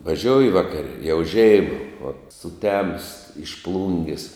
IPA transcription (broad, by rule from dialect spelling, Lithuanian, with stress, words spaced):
ʋɐˈʒʲoːʊjɪ ˈʋɑːkɐrʲɛ jɛʊ ˈʒʲɛɪmɐ ʋɐ sʊˈtʲæːmʊs ɪʃ ˈplˠʊŋʲɡʲɪs